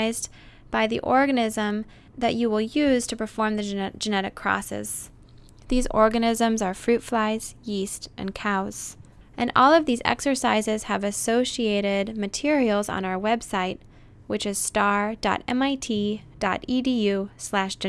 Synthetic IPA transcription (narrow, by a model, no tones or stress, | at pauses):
ɪz | b̥aɪðḭʔɔɹɡɨnɪzə̃m | ðɨt͡ʃɨwɪlˠjʉz̥tʰɨpə˞fɔɹmðɨ̥ʒ̥ɨnɛɾɨkʰːɹ̥ɔ̰sɪ̰z̥ | ðizɔɹɡɨnɪzə̃mzə˞fɹʉtflaɪz̥jistʔɨ̰̃nkʰaʊz̥ | ʔɨ̃nɔlˠʌvðizɛ̰ksə˞saɪzɪz̥ɨvɨsoʊʃieɪɾɪd̚mɨtʰɪɹil̩ˠzn̩aʊə˞wɛb̥saɪt̚ | wɨt͡ʃɨz̥stɑɹd̥ɑ̰ɾɛ̰̃maɪtʰid̥ɑ̰ɾidijʉslæʃʒɨ